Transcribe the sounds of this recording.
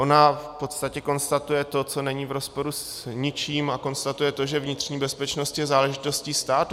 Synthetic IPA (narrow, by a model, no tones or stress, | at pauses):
ʔonafpo̞t̪st̪acɛko̞nst̪at̪ujɛt̪o̞t͡so̞nɛɲiːvɾo̞spo̞ɾus | ɲɪt͡ʃiːmako̞nst̪at̪ujɛt̪o̞ʒɛvɲɪt̪r̝̥ɲiːbɛspɛt͡ʃno̞st̪jɛzaːlɛʒɪt̪o̞sciːst̪aːt̪u